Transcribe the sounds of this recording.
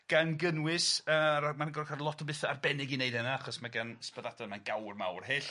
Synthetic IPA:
ɡ̥anɡənwɪsəamanɡɔrkʰalˠɔtʰɔbɨθarbɛnɪɡineɨdɛnaaχɔsmaɡanspəðatʰanmanɡawrma̰wrheːɬ

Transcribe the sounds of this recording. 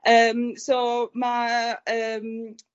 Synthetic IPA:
ʔəmsomaəm

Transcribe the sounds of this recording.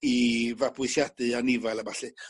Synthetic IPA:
ivapuisjat̪əanivalabaɬe

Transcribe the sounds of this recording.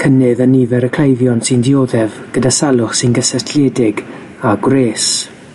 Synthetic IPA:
kʰənɨðənivɛɾəkʰl̥ejvjɔnsɨndɪoːðɛvɡ̥ədasalˠʊχsɨnɡəsɛtʰljɛdɪɡ | aɡwreːs

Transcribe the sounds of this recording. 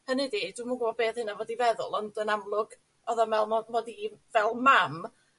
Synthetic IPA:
hənɪdid̥wimuɡəɔbeːðhɨnavɔːdivɛðʊ̰lˠɔndənamlˠʊɡ̥ | ɔðamɛlˠmɔmɔdivɛlˠmam

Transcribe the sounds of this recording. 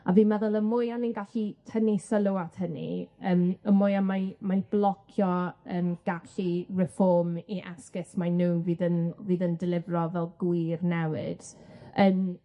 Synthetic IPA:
a̰viːmɛðʊlˠəmʊjaninɡaɬitʰənisəlˠuathənḭəːməmʊjamamajb̥lˠɔkʰjɔənɡ̥aɬirɛfɔrmiʔaskɪsmanuːnviːðənviːðəndɪlˠɪvrɔvɛlˠɡwirnɛwɨ̰d̥əːm

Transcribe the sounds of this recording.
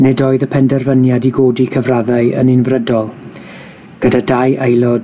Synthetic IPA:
nɛdoːɨðəpʰɛndɛrvənjadiɡoːdikʰəvraðaɨə̰nɪnvrədɔlˠ | ɡ̥ədadajʔejlˠɔd

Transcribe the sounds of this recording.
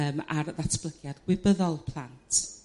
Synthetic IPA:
əːmarðatʰb̥ləɡjadɡ̥wɪbəðɔlˠpʰlˠantʰ

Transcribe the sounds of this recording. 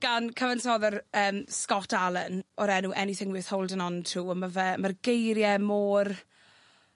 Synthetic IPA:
ɡ̥ankʰəvənsɔðərəːmskɔtʰalˠənɔɾɛnuʔɛniθɪŋwɪːθhowlˠdənɔntʰuːəmavɛmarɡejɾjɛmoːr

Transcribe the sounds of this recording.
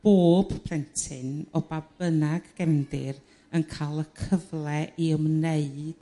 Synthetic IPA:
b̥oːb̥pʰl̥ɛntʰɪnɔbabənaɡɡ̥ɛmdɪr | ənkʰalˠəkʰəvlˠɛʔiəmneɨd̥

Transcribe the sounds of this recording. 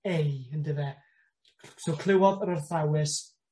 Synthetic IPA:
eəndəðɛ | sowkʰlˠɪwɔðəɾərθawɪs

